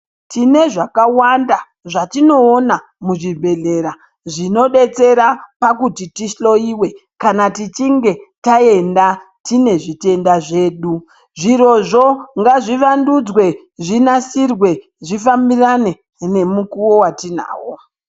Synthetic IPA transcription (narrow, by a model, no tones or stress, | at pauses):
tine̞ʐakawanda | ʐatino̞ːna | muʐibʱe̞ɮe̞ɾa | ʐino̞ɗe̞t͡se̞ɾapakutitiʃlo̞iwe̞kanatit͡ʃiŋɡe̞tae̞nda | tine̞ʐite̞ndaʐe̞ːɗu | ʐiɾo̞ʐoŋɡaʐiʋandud͡zwe̞ | ʐinasirwe̞ | ʐifambirane̞ | ne̞mukuwo̞watin̤a̰ːwo